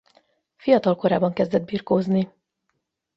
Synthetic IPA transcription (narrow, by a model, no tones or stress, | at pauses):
fijɒt̪ɒlko̞ɾaːbɒŋkɛzd̪ɛd̪̚biːrkoːzni